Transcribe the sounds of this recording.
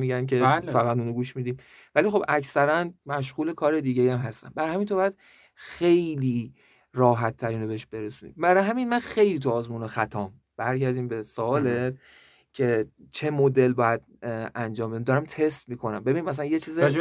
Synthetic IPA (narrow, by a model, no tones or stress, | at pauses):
miːɟænk̬ʰe̞lfæɣæt̪uːnoɡuːʃmiːd̪iːm | vælixo̞bʔæcsæɾænmæʃ̬ɣuːle̞kʰɒːɾe̞d̪iːɟejæmɦæst̪æ̰nbæɾhæmint̪ʰobɒjæd̪̥ | xe̞jliː | ɾɒːɦæt̪ʰːæɾiːnobe̞eʃb̥e̞ɾesuːnḭmbæɾɒɦæminmænxe̞jliːt̪ʰuɒːzmuːnoxæt̪ʰɒːm | b̥æɾɟæɾd̪iːmbe̞soɒːle̞t̪̚ | cʰe̞t͡ʃʰe̞mod̪e̞lbɒːjæd̪ | ænd͡ʒɒːmbeæmd̪ɒːɾæmt̪ʰe̞st̪miːkʰo̞næmbe̞binimæs̬ælænjet͡ʃʰiːzi